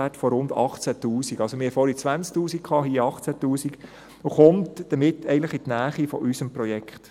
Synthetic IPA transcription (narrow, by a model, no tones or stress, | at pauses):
ætfɔɾʊndɑ̰χt͡sætuːsiɡɑlsomɪɾhɛfɔɾit͡sʋænt͡sk̚t̪uːsikkʰɑːɦiːɑχt͡sætuːsik | ʊχʊmtd̥əmɪtːɛɪɡn̩tləχitnæːχifɔ̰ʔysəmpɾɔjɛkχt